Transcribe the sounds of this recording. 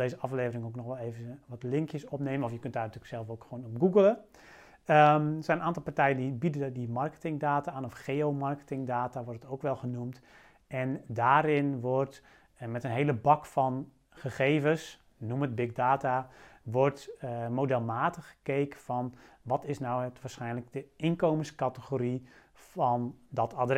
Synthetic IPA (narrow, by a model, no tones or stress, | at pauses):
deːzəɑfleːvərɪŋoknɔxʋɛlˠeːvəʋɔtlɪŋkjəsɔpneːmənɔfjəkøntdaːrntyːləksɛlˠfoːkxʋoːnɔp̚ɡuɡəlˠə | əsɛjnənaːntɔlˠpartɛjəndibidədimɑrkə̥tɪŋdaːtaaːnɔfχeːoːmɑrkə̥tɪŋdaːtaʋɔrtətowkʋɛlˠɣənumt | ʔɛndaːɾɪnʋɔrt | mɛtənɦeːləbɔkfɔn | χəχeːvəs | numət̚bɪɡ̚daːtaʋɔrtmodɛlˠmaːtəxəkeːkəfɔnʋɔtɪsnawətʋaːrsxɛjnləɡ̚dəɪnkoːmənskatəxoɾi | fɔndɔtʰadr